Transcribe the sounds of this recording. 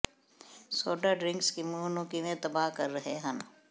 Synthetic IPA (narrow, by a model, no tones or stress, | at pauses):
soːɖaɖɾɪ̃ŋkskimuːnõkiʋẽt̪ɐbaːɦkɐɾːɐɦeɦãn